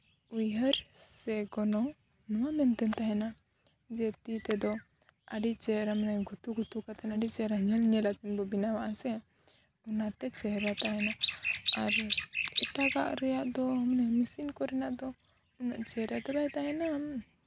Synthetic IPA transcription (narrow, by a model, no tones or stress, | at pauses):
ujɦəɾsɛɡɔnɔ | nɔwamɛnt̪ɛnt̪aɦɛna | d͡ʒɛt̪it̪ɛd̪ɔ | aɖit͡ʃɛɾamɛnajɡʱut̪uɡʱut̪ukat̪ɛnaɖit͡ʃɛɾaɲəlɲɛlat̪ɛnbɔbinawaʔasɛ | unat̪ɛt͡ʃɛɦɾat̪aɦɛnaaɾɛʈaɡa̰ʔɾɛjaʔd̪ɔɦɔmnɛmisinkɔɾɛnaʔd̪ɔ | una̰ʔt͡ʃɛɾat̪ɛbajt̪aɦɛnam